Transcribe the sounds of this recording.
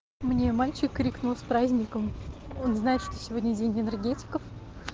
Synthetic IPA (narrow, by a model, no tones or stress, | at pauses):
mnʲe̞malʲt͡ɕɪkːɾʲiknʊlˠsʲpɾazʲnʲɪkəmo̞nznajɪt̪ʂt̪osʲɪvo̞dʲnʲədʲenʲɪnərɡʲetʲɪ̥kəf